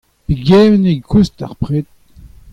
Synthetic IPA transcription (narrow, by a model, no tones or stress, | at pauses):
piɡɛːvnekʰusta̰ʁpʁet̪̚